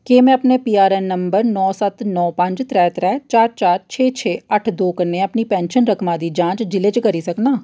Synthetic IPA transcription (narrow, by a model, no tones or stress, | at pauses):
kemɛ̃ːɐpnepiːaːɾɛːnːəmbəɾnɔːsət̪nɔːpə̃ɲd͡ʒt̪ɾɛːt̪ɾɛːt͡ʃaːɾt͡ʃaːɾt͡ʃʰeːt͡ʃʰeːəʈʰd̪oːkəneɐpnipɛ̃ːnʃənɾəkmãd̪iːd͡ʒãːt͡ʃd͡ʒɪled͡ʒkəɾisɐknaː